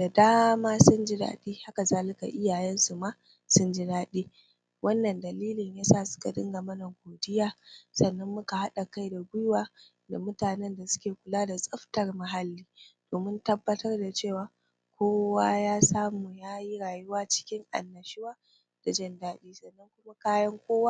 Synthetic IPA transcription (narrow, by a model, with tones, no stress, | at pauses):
d̥a˨daː˦ma˦maː˦sʊ˦nd͡ʒi˦da̰ː˦ɗiː˦ha˦ka˨zaː˦lɪ˦ka̰˨ʔɪ˦jaː˨jɛ˦nsu˨maː˦ | sʊ˦nd͡ʒi˦daː˦ɗiː˦ | wɐ˦nːɐ˨ndɐ˨liː˦lɪ˨ɲjaː˦saː˦˨sʊ̥˦ka̰˨dɪ̰˦ŋɡɐ˨mɐ˦nɐ˨ɡʷoː˨dɪ˦jaː˦sɐ˨nːɐ˦mːʊ˦ka˨ha˦ɗa˨ka˦jda˨ɡʷʊ˦jwaː˦˨ | da̰˨mʊ˦taː˨nɛ˦nda˨sʊ̥˦kʲeː˨kʷʊ˨laː˦da˨sʼɐ˦ɸtɐ˨rma˨ɦa˨lːiː˦d̥oː˨mɪ˦ntɐ˦bːɐ˦tɐ˦rda˨t͡ʃeː˦˨waː˨ | kʷʰoː˦waː˦jaː˦saː˦muː˨jaː˦ji˦ɾaː˨jʊ˦waː˦t͡ʃɪ̥˦kʲɪ˦ŋʔa̰˨nːɐ˨ʃɪ˦waː˦ | d̥a˨d͡ʒɐ˦ndaː˦ɗiː˦sɐ˨nːɐ˦ŋkʷʊ˦ma˦kaː˦jɐ˦ŋkʷoː˦waː˦